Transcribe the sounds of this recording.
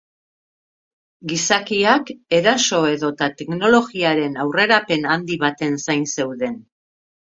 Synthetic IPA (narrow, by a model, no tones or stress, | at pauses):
ɡisakiake̞ɾaso̞e̞ðo̞t̪at̪e̞kno̞lo̞ɣiaɾe̞nawre̞ɾape̞nand̪iβ̞at̪e̞nsajnse̞wðe̞n